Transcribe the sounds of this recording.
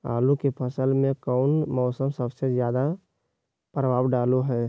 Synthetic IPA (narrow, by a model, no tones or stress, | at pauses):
a̰ːlũkepʰəsəlmẽkɔːʊnmɔːsəmsəbsezjaːd̪a | pɾəʋaːbɖaːloɦɛː